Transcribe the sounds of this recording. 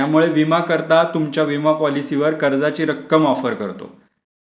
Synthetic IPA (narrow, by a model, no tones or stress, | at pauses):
amuɭeʋimakəɾt̪at̪umt͡ɕjaʋimapɔlisiʋəɾkəɾd͡zat͡ɕiːɾəkːəmɔfəɾkəɾt̪o̰